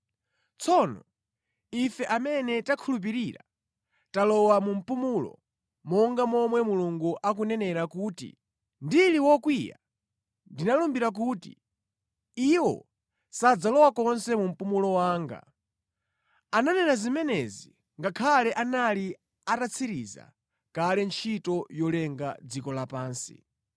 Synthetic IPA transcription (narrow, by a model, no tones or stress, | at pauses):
t͡sʰɔnɔ̰ | ifɛʔamɛnɛtakʰulup̬iɾiɾa̰ | talɔwamum̩pumulɔ̰ | mɔŋɡamɔmwɛmuluŋɡuʔak̬unɛnɛɾakuːtḭ | ndiliwɔkwija̰ | ndinalumbiɾak̬utḭ | iwɔ̰ | sad͡zalɔwakɔnsɛmum̩pumulɔwaːŋɡa̰ | ananɛnazimɛnɛzi | ŋɡakʰalɛʔanali | atat͡sʰiɾiza̰ | kalɛnt͡ʃʰitɔjɔlɛŋɡad͡zikɔlapaːnsḭ